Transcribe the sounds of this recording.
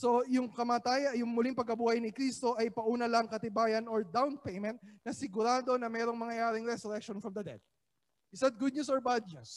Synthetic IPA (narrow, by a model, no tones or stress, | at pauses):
so̞jʊŋkɐmaːt̪aːjɐjʊŋmʊliŋpɐɡ̚kɐbuːhɐjnɪkɾist̪o̞ʔɐjpɐʔuːnɐlɐŋkɐt̪ɪbaːjɐnoɹd̪awnpejmɛ̃nt̪̚nɐsɪɡʊɾaːd̪o̞nɐmɛːɾo̞ŋmɐŋɐjaːɾɪŋɾɛsʊɾɛk̚ʃonfɹɐmd̪ɐd̪ɛ̰d̪̚ | ʔɪsɐt̪̚ɡʊd̪̚nɲusoɹbad̪̚ɲus